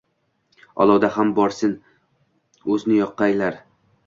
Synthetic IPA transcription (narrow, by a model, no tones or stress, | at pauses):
ɒ̰lˠɒwd̪ahambɒɾsɪn | ɵznɪjɒqːɑjlaɾ